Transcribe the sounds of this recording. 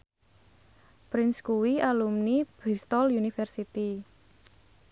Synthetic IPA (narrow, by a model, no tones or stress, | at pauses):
pɾɪnskuwialumnib̥ɾist̪ɔlunifɛrsit̪i